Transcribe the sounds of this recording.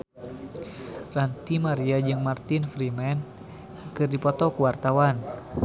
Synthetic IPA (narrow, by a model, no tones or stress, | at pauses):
rant̪imaɾiad͡ʒɨŋmart̪infɾimɛn | kɨrdipɔt̪ɔkuwart̪awan